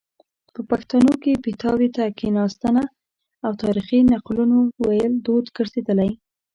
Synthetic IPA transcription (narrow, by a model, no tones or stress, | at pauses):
pəpaxt̪ɑnokepɪt̪ɑwet̪akinɑst̪əna | awt̪ɑɾixinaqlunowajəld̪od̪ɡəɾzed̪əlaj